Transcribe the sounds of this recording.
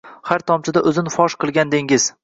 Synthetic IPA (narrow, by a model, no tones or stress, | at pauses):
haɾt̪ʰɒmt͡ʃʰɪd̪aʔɵzɪnfɒʃqɨlˠɡʲand̪eŋɪz̥